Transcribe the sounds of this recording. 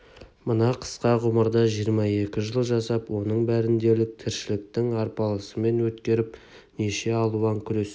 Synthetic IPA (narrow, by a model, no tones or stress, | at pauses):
mənɑqʰə̥sqɑʁʊməɾd̪ɑʒijəɾmɑe̞kʲɪʒəlˠʒɑsɑpwo̞nəɴbæɾɪnd̪e̞lɪk̚t̪ʰɪɾʃɪlɪk̚t̪ɪŋɑɾpɑlˠəsəme̞nwɵt̪kʲe̞ɾɪp | neʃe̞ɑlˠuɑŋkʲʰʏɾe̞s